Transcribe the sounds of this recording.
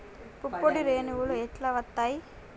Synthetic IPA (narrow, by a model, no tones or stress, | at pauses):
pupːoɽiɾeːnuwulueʈlɐʋɐt̪ːaːji